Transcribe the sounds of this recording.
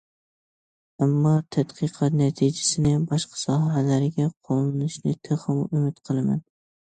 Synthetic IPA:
amːɒt̪ʰat̪qʰɨqʰɑt̪næt̪ʰid͡ʒasɪnɪbɒʃqʰɑ̥sɒɦalaɾɪɡʲaqʰolˠnɪʃnɪt̪ʰeχɨmʊmɪt̪qʰɨlˠama̰n

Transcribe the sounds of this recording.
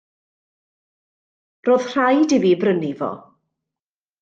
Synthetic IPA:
roːð̥r̥ajdiviːbrənivɔ̰

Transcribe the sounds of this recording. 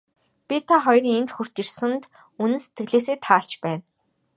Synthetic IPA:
pʲit̪ʰaχɔjrŋent̪xur̥t̪ĭrsɘ̆nt̪ | unɘ̆nse̥t̪ɡɘ̆ɮeːs̬eːt̪ʰaːɬt͡ɕpæːn

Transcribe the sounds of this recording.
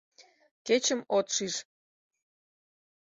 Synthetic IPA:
ket͡ɕə̆mot̪ʃiʃ

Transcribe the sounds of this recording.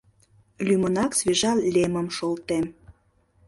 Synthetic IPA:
lʲymənɑksveʒɑlʲemə̆mʃolt̪em

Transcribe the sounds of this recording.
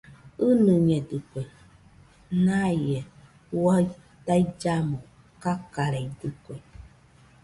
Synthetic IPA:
ɨnɨɲɛdɨkʷe | najɛ | wa | taid͡ʒamɔ | kakaɾɛjdɨkʷɛ

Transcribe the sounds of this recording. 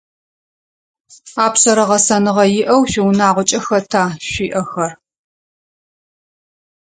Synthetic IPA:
aːpsɐɾɐʁɐsɐnɨʁɐjɪʔɐwɕʷɪwnaːʁʷɔt͡ʃʼɐxɐtʰaːɕʷiːʔɐxɐr

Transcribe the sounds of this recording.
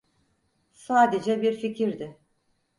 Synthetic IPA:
saːd̪ed͡ʒɛbiɾficʰiɾd̪ɪ

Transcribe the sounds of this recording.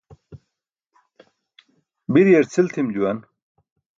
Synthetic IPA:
biɾjeɾt͡sʰilt̪ʰimd͡ʑuwɐn

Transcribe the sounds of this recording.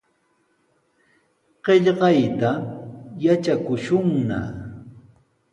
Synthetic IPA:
ɢ̥eʎɢɑjt̪ajat͡ʃakʊʃʊŋna̰

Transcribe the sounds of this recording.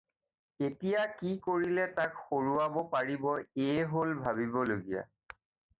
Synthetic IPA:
etijakikoɹilɛtakxoɹuabɔpaɹibɔeɦolbʱabibɔloɡija̰

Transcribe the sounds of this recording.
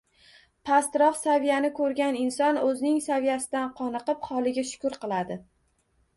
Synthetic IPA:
pʰast̪ɾɒfsavijanɪkʰɵɾɡʲanɪnsɒnɵzɪnɪŋsavijasɪd̪anqʰɒnɨqɨphɒlˠɪɡʲaʃʊ̥kʊɾqɨlˠad̪ɪ

